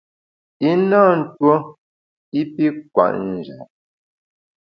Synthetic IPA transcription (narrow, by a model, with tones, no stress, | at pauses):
i˦na˦˨n̩˦˨two˦ | i˦pi˦kwa̰˨ʔn̩˨d͡ʒa˨